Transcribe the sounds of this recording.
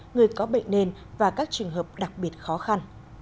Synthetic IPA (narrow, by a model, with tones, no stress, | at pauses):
ŋɨ˨˩əjkɔ˨˦ɓə̰˧˨jŋ̟ne˧n | vaː˨˩kaː˦˥k̚t͡ɕɨ˨˩əŋɦəː˨˩p̚ɗa˨˩k̚ɓi˨˩ət̚xɔ˨˦xa˧n